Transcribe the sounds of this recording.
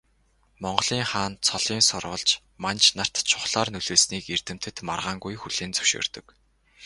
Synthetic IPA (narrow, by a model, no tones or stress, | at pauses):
mɔɴɢɞ̆ɮiːŋχaːnt͡sʰɔɮiːnsʊrʁə̆ɮt͡ɕ | mant͡ɕnar̥t̪t͡ɕʰʊχɮaːrnɵɮeːsniːker̥t̪ɘ̆m̥t̪ʰɘ̆t̪ma̰rʁaːŋɡujxuɮeːnt͡sɵ̥wʃo̰ːr̥t̪ɵ̆k